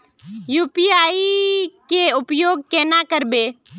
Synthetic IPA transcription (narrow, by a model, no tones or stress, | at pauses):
juːpiːaːikeʊpjoːɡ̚keːnaːkəɾbeː